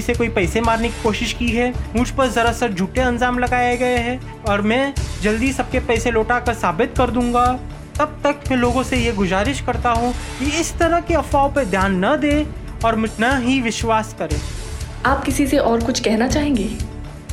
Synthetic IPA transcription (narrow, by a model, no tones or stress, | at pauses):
isekoːipɛːsemaːɾneki̥koːʃɪʃkiɦɛːmʊd͡ʒʱpɐɾzɐɾasɐɾd͡ʒʱuːʈeɐ̃nzaːmlɐɡaːjeɡɐeɦɛ̃ | ɔːɾmɛ̃ːd͡ʒɐld̪isɐb̚kepɛːseloːʈakɐɾsaːbɪt̪̚kɐɾd̪ũːŋɡa | t̪ɐb̚t̪ɐkmɛ̃ːloːɡõsejeɡʊzaːɾɪʃkɐɾt̪aɦũkiɪst̪ɐɾəɦkeɐfaːoped̪ʱjaːnːɐd̪eː | ɔːɾmʊd͡ʒʱnɐɦiʋɪʃwaːskɐɾẽːaːp̚kɪsiseʔɔːɾkʊt͡ʃʰkɛɦnat͡ʃaːɦẽːŋɡeː